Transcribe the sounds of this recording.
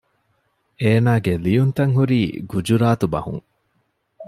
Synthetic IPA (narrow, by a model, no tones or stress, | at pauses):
eːnaːɡelijunt̪ɐŋɦuɾiːɡud͡ʒuɾaːt̪ubɐ̰hṵŋ